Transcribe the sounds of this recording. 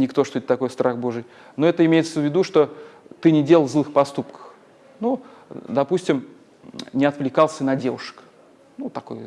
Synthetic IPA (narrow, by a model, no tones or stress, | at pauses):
nʲɪkt̪o̞ʂt̪o̞ɪt̪ːɐko̞jst̪ɾʔaxbo̞ʐɨj | no̞ɛt̪əɪmʲejɪt̪səvʲːɪd̪uʂt̪o̞t̪ɨnʲɪdʲe̞lˠəlˠzlˠɨxpɐst̪upkə̥x | nu | d̪ɐpusʲtʲɪm | nʲɪɐt̪vlʲɪkalˠsʲənɐdʲe̞vʊʂə̥k | nut̪ːɐko̞j